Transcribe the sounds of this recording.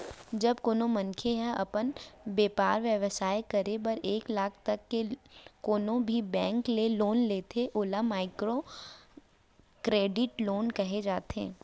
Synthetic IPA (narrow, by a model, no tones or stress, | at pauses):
d͡ʒɐbkoːnõmɐnkʰeɦɛʔɐpənbeːpaːɾʋjəʋəsaːjkɐɾebɐɾeːklaːkʰt̪ɐkːekoːnõbʱibɛ̃ːŋkleloːnleːt̪ʰeʔoːlamaːɪkɾo | kɾeːɖɪʈloːnkɐɦed͡ʒaːt̪ɛ̰̃ː